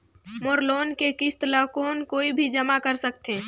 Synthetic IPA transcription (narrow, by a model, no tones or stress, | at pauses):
moɾloːnkekist̪lakoːnkoːibʱid͡ʒɐmakəɾsəkt̪eː